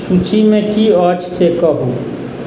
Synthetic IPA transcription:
sut͡ʃʰimẽkiɔːt͡ʃsekɔɦu

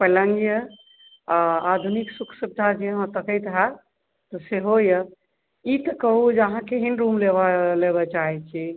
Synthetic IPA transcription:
pələ̃ŋɡjə | aad̪ʱuniksukʰsəb̚d̪ʱad͡ʒeəɦãt̪əkəjt̪ɦa | t̪ɔseɦojə | it̪əkəɦud͡ʒəɦãkeɦinɾumlebleβɛt͡ʃaɦɛt͡ʃʰi

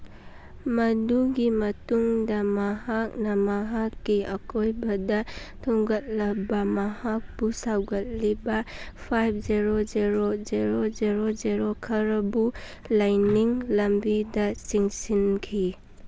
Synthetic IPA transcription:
mɐduɡimɐtuŋdɐmɐɦak̚nɐmɐɦakːiɐkʰojbɐdɐtʰuŋɡɐt̚lɐbɐmɐhak̚b̥usawɡɐt̚libɐpʰajp̚ʰzeɾod͡ʒeɾozeɾod͡ʒeɾod͡ʒeɾokʰɐɾɐbu | lajniŋlɐmbidɐsiŋsinkʰi

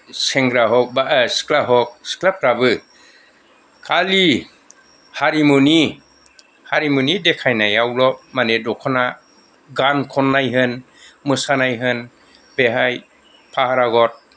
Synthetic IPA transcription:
sɛŋɡɾaɦɔk̚basklaɦɔk̚sklap̚ɾabɯ | kʰali | haɾimuni | haɾimunidekʰajnajawlɔmanedɔkʰɔna | ɡankʰɔnːajɦɯn | mɯsanajɦɯn | beɦaj | pʰahaɾaɡɔt̚

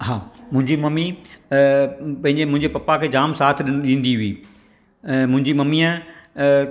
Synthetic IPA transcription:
ɦaːmʊ̃ɦɪ̃ɲd͡ʑimɐmi | pɐ̃ɦɪ̃ɲd͡ʑemʊ̃ɦɪ̃ɲd͡ʑepɐpakʰeːd͡ʑaːmsaːt̪ʰɗɪnɗĩːn̆d̪iɦʊĩː | mʊ̃ɦɪ̃ɲd͡ʑimɐmiã

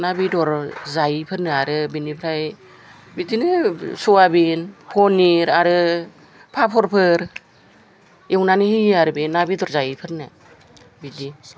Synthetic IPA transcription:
nabidɔɾzajipʰɯɾnɯaɾɯbinipʰɾaj | bidinɯsuwabinpʰɔniɾaɾɯ | pʰapʰɔɾpʰɯɾ | ewnanihijaɾɯbinːabidɔɾzajipʰɯɾnɯ | bidi

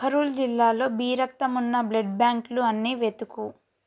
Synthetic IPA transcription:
pʰɐɾuːld͡ʒilːaːlo̞ːbiːɾɐk̚t̪ɐmunːɐblɐɖ̚bjaːŋkluɐnːiːʋet̪uku

